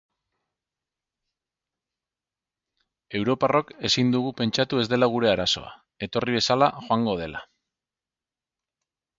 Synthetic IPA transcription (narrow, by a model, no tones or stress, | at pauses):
e̞wɾo̞paro̞ke̞sind̪uɣupe̞nt͡ʃat̪ue̞zd̪e̞laɣ̞uɾe̞aɾaso̞̰a̰ | e̞t̪o̞riβe̞salaxoaŋɡo̞ð̞e̞la̰